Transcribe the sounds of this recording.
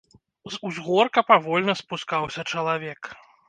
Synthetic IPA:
zuzɣɔrkɐpavɔlʲnɐspuskawsʲɐt͡ʂɐlˠavʲɛk

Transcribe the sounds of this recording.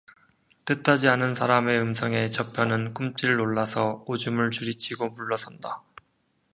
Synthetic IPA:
t͈ɯt͈ʰːad͡ʑianɯnsʰaɾame̞ɯmsʰʌŋe̞t͡ɕʌpʰjʌnɯnk͈umt͡ɕ͈iɾɯɾoɭːasʰʌod͡ʑumɯɭt͡ɕuɾit͡ɕʰiɡomuɭːʌsʰʌnda

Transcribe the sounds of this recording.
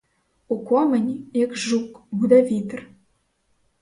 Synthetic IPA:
ukomɘ̆nʲekʒukbud̪ɑvit̪r

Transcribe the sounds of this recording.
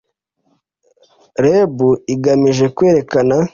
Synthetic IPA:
ɾebuiɡamiʒe̞kwe̞ːɾe̞kana

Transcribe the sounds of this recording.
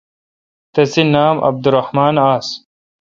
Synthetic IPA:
t̪ɐsinaːmʔɐ̰b̚d̪uɾɐhmaːnaːs

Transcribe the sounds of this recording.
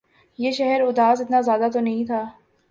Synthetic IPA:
jeːʃɛɦɛɾʊd̪aːsɪt̪nazjaːd̪at̪onɐɦĩt̪ʰaː

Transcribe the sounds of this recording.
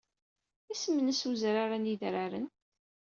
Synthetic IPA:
æsəmːənəsuzɾaɾaniðɾaɾən

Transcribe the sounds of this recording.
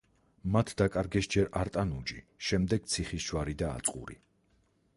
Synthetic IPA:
mat̪ʰd̪akʼaɾɡɛsd͡ʒɛɾaɾt̪ʼanud͡ʒi | ʃɛmd̪ɛɡ̥̚t̪sʰiχisʃwaɾid̪a̰ːt̪sʼqʼṵɾḭ

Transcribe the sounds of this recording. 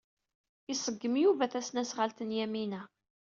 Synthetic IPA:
isˤəɡːəmjuvæθæsnæsʁalt̪ənjæminæ

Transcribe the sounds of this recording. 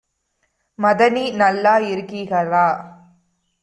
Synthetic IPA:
mɐðɐninɐlːaːɪɾɯkːiːɣɐɾaː

